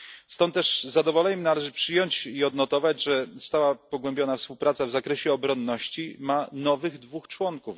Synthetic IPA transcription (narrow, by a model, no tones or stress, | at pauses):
st̪ɔnt̪ːt̪ːɛʐzad̪ɔvɔlɛɲɛmnalɛʐɘpʂɘjɔɲt͡ɕiɔd̪nɔt̪ɔvad͡ʑʐɛst̪awapɔɡwɛmbʲjɔnafspuwpɾat̪savzakɾɛɕɛɔbɾɔnːɔɕt͡ɕimanɔvɘɣd̪vuxt͡ʂwɔŋkuf